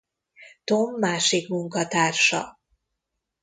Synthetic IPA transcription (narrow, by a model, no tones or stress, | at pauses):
t̪omːaːʃikmuŋkɒt̪aːrʃɒ̰